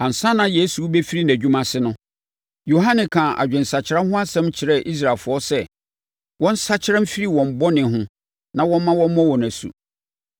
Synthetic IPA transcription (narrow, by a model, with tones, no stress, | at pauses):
ã˨n̩˨sa˦nã˦je˦su˨˦be˦fi˦ɾi˦næ̃˨d͡ʑᶣu˦mã˨sɪ˦nʊ̃˦ | jo˨ɦã˦nɪ̃˨kʰãː˨ʔa̰˨d͡ʑᶣɛ̃˨n̩˨sa˨t͡ɕʰɪ˨ɾa˦hʊ̃˦a˦sɛ̃˦mt͡ɕʰɪ˨ɾɛ˦˨ʔi˦s̬ɾa˨fʊ˨ɔ˦sɛ˦ | wɔ̃˦n̩˦sa˦t͡ɕʰɪ˦ã˦m̩˦fi˦ɾi˦wɔ̃˨m̩˨bɔ˦nɪ̃˨ɦʊ̃˦ | nã˦wɔ̃˦m˦mã˦wɔ̃˦m˦mɔ̃˦wɔ˨næ̃˨sṵ˨